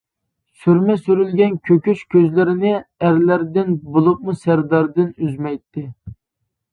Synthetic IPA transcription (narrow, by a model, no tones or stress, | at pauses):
syɾmɛsyɾylɡʲɛnkʲʰøkʲyʃkʲʰøzlɪɾɪnɪæɾlæɾd̪ɪnbolˠup̚musæɾd̪ɑɾd̪ɪnyzmɛjt̪ːɪ